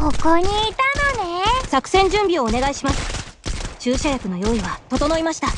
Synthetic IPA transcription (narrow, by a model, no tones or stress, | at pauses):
kokoɲiːt̪anonesakɯ̟̥sẽ̞ɲ̟d͡ʑɨ̃mbʲio̞ːne̞ɡaiɕimasɨ̥t͡ɕɨːɕajakɯ̟no̞jo̞ːiβat̪o̞t̪o̞no̞imaɕi̥t̪a